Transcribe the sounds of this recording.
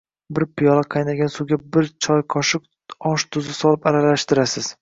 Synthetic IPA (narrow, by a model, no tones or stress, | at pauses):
bɪɾpʰɪjɒlˠaqʰɑjnaɡʲansʊwɡʲabɪɾt͡ʃʰɒjqʰɒʃɪq | ɒʃt̪ʰʊzɪsɒlˠɪpaɾalaʃt̪ɪɾasɪz̥